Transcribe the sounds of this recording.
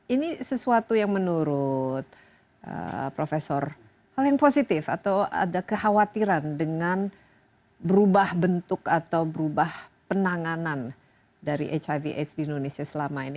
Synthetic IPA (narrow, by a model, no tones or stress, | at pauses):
inisəsuat̪ujaŋmənuɾʊt̪̚ | ʔə̰pɾofesɔr | haljaŋposit̪ɪfat̪awa̰dakəhawat̪iɾandəŋan | bəɾubahbənt̪ʊkat̪awbəɾubahpənaŋanan | daɾḭʔet͡ʃaviʔḛt͡ʃdiindonesiasəlamaini